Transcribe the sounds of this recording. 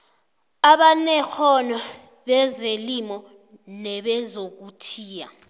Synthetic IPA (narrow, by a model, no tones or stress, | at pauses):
aɓanɛxʰɔnɔ | ɓɛzelimɔ | nɛɓɛzok̬utʰiːja̰